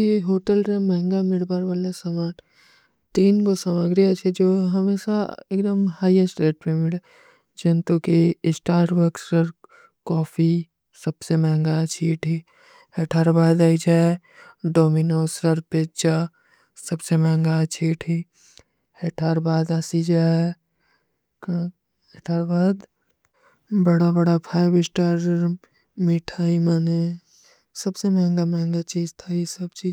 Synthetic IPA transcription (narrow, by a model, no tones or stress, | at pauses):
eɦoːʈəlɾemɛ̃ɦŋɡamɪɽbaːɾʋaːlasɐmaːʈʰ | t̪iːnkosɐmaɡɾiat͡ʃʰed͡ʒoːɦɐmeːʃaeːkd̪əmhaːiesʈɾeːʈ̚pemɪɽe | d͡ʒent̪ukisʈaːɾɾbəksɾəɾ | kɔːfi | sɐbsemɛɦŋɡat͡ʃʰiːʈʰiː | ɦeʈʰaːɾbaːd̪aːid͡ʒʰae | ɖoːminoːsɾəɾpeːt͡ʃa | sɐbsemɛ̃ːŋɡat͡ʃʰiːʈʰi | heːʈʰaːɾbaːd̪asid͡ʒa | ɦeʈʰaːɾbaːd̪ | bəɽabəɽapʰaːjbɪsʈaːɾ | miʈʰaːimaːne | sɐbsemɛ̃ːŋɡamɛ̃ːŋɡat͡ʃiːd͡ʒt̪ʰaisəbt͡ʃiː